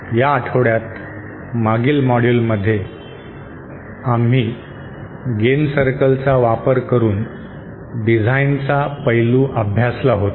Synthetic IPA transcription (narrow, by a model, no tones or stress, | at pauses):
jaːʈʰəʋɽjat̪ | maɡiːlmɔɽjulməd̪ʱːje | am̤iː | ɡensəɾkəlt͡saʋapəɾkəɾuːn | ɖid͡zʱaint͡sapəjluːʔəbʱjaslaɦot̪